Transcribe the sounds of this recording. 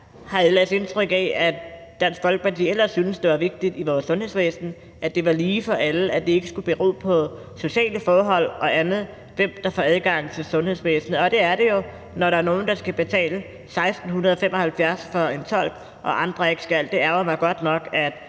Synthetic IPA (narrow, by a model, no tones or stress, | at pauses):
hɑ̈elɛde̝nt͡sʰʁœɡ̥ɛæ̥ | d̥ænsfɒlɡ̥ə̥pʰɑ̈t͡sʰḭːel̰ɐsːynəsd̥e̝ʋɑ̈ʋe̝ɡ̥̚d̥id̥iʋɒːsːɔ̽nhḛsʋeːsn̩ | ʔæd̥e̝ʋɑ̈liːfɒ̽ʔæləæd̥ee̝ɡ̥əsɡ̥ub̥e̝ʁo̰ːpʰɒ̽ | so̝ɕɛ̰ːləfɒːɦɒ̽l̰ɒ̽ʔænð̩ˠ | ʋem̰d̥ɑ̈fɒ̰æð̞ˠɡ̥ɑ̈ŋ̰t͡sʰe̝lsɔ̽nhe̝sʋeːsnəɒ̽d̥e̝æɐɾe̝jo̝ | nɒɾɑ̈æɐno̝ːn̩d̥ɑ̈sɡ̥æb̥e̝t͡sʰɛ̰ːlə | sɑ̈ɪsd̥n̩hunɐð̞ˠɒfemʔɒhælfjæɐsfɒent͡sʰɒ̽l̰ɡ̥ | ʔɒ̽ʔɑ̈nd̥ʁɐe̝ɡ̥sɡ̥æl̰d̥e̝æɐʊɐmɑ̈ɪɡ̥ɒ̽d̥nɒ̽ɡ̥æd̥